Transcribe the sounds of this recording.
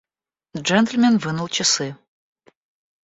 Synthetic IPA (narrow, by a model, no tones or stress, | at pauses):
d͡ʒɛnt̪lʲmʲɛnvɨnulˠt͡ɕʰɐsɨ